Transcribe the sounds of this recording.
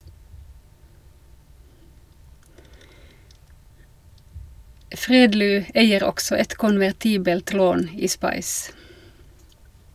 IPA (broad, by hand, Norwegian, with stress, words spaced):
ˈfʁeːdlyː ˈæɪəʁ ˈɔksɔ ˈɛt kʊnʋæʁˈtiːbəlt ˈloːn ˈiː ˈspɑɪs